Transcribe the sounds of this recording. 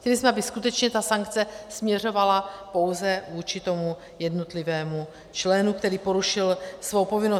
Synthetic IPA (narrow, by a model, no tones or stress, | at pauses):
cɛlɪsmɛʔabɪskut̪ɛt͡ʃɲɛt̪asaŋk̚t͡sɛsmɲɛr̝o̞valapo̞wzɛvuːt͡ʃɪt̪o̞mu | jɛdnot̪lɪvɛːmu | t͡ʃlɛnukt̪ɛɾiːpo̞ɾuʃɪlsvowpo̞vɪno